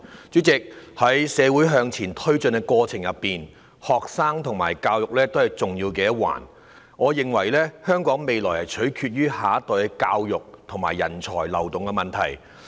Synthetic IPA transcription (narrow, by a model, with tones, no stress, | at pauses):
t͡ʃyː˨˥t͡sɪ˨k̚hɐ˨˥jsɛː˨˧wu˨˥jɦœː˨˧ŋt͡sʰiː˨˩nt̪ʰɵ˥ɥt͡sɵ˧nkɛ˧kɔː˧t͡sʰɪ˨˩ŋjɐ˨pːiː˨n | hɔː˨k̚saː˥ŋt̪ʰʊ˨˩ŋmaː˨˩jkaː˧wjʊ˨k̚lɛː˥t̪o˥hɐ˨jt͡sʊ˨ŋjiː˧wkɛː˧jɐ˥t̚wa̰ː˨˩n | ŋɔː˨˧jɪ˨ŋwɐ˨˩jlɛː˥hœː˥ŋkɔː˨˥ŋme˨jlɔː˨˩jhɐ˨jt͡ʃʰɵ˨˥ɥkʰyː˧t̚ɥyː˥haː˨˥t̪ɔː˨jɛ˧kaː˧wjʊ˨k̚t̪ʰʊ˨˩ŋmaː˨˩jːɐ̰˨˩nt͡ʃʰɔː˨˩jlɐ̰˨˩wt̪ʊ˨ŋkɛ˧mɐ˨nt̪ʰɐ̰˨˩j